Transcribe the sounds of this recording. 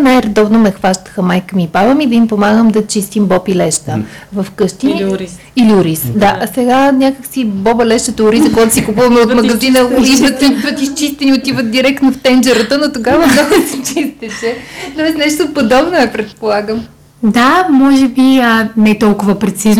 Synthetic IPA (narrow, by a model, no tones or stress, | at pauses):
najɾɛd̪ɔvnomɛxvaʃt̪ə̥xəmajkəmipavəmid̪ɐimpomaɡəmd̪ɐt͡ʃist̪imbɔpilɛʃt̪ə | vɐfkɤʃt̪ini | iliʊɾisd̪asɛɡanʲakəksibɔbəlɛʃt̪ət̪ɐʊɾisəkoɡat̪o̥sikupuvɐmɛot̪mɐɡɐzinəʊɾiət̪ət̪ist͡ʃist̪ɛniot̪ivət̪̚d̪iɾɛkt̪noft̪ɛnd͡ʒɛɾət̪ənot̪oɡavəmnɔɡʊsit͡ʃist̪ɛt͡ʃɛt̪ɔɛsnɛʃt̪opod̪ɔbnoɛpɾɛt̪̚polˠaɡəm | d̪amɔʒɛbiənɛt̪ɔlˠkʊvəpɾɛt̪siz